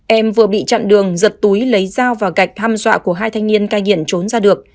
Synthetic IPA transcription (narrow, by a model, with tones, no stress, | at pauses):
ʔɛ˧mvɨ˨˩əɓḭ˧˨t͡ɕa̰ː˧˨nɗɨ˨˩əŋzə˨˩t̚t̪u˨˦jlə˨˦jzaː˧wvaː˨˩ɣa˨˩jk̚t̪ʰaː˧mzwa̰ː˧˨ku˧˩əɦaː˧jt̪ʰa˧jŋ̟ni˧ənkaː˧jŋḭ˧˨ənt͡ɕo˨˦nzaː˧ɗɨ˨˩ək̚